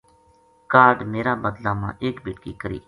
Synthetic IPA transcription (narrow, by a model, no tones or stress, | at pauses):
kaːɾɖmeːɾaːbəd̪laːmã̰ːʔeːkbɪːʈkiːkəɾḭː